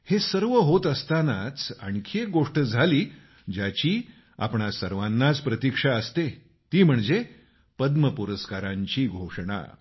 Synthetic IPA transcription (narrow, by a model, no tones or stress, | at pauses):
hesəɾʋəɦot̪əst̪anat͡sa̰ɳkʰeɡoʂʈəd͡zʱaliː | d͡ʑjat͡ɕiː | a̰pɳasəɾʋanːat͡spɾət̪ikʂaəst̪e | t̪iːm̤əɳd͡ze | pəd̪məpuɾəskaɾãɲt͡ɕiːɡʱoʂɳa̰